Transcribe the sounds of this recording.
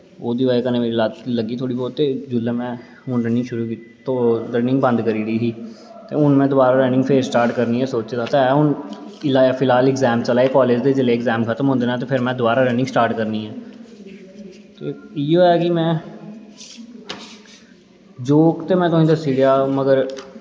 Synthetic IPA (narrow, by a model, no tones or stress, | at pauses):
oːd̪iːʋaːekəneːmeːɾiːlaːt̪ləɡiːt̪ʰoːɽiːbɔːt̪ːeːd͡ʒʊlːẽːmɛ̃ː | ʊ̃ːɳɖənĩʃʊɾuːkit̪ː | t̪oɖɛːnɪ̃ŋɡbə̃nd̪kəɾiːɾiːɦiː | t̪ḛːʊnmɛ̃ːd̪ʊbaːɾaːɾɛ̃ːnɪ̃ŋɡpʰeːɾsʈaːɾʈkəɾniːɛːsoːt͡ʃd̪aːt̪eɛːʊnɪlaːpʰɪlaːlɪkzɛːmt͡ʃəlaːeːkɔːleːd͡ʒd̪eːd͡ʒɪleːɪkzɛ̃ːmkʰət̪əmɦõnd̪eːnaːt̪eːpʰɪɾmɛ̃ːd̪ʊbaːɾaːɾɛ̃ːnɪ̃ŋsʈaːɾʈkəɾniːɛː | t̪eːiːoːɛːkɪmɛ̃ː | d͡ʒoːkt̪eːmɛ̃ːt̪ʊsĩːd̪əsiːɡjaːməɡəɾ